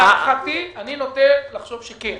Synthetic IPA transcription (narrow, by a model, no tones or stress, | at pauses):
aχat̪ianinot̪elaχʃo̞vʃeken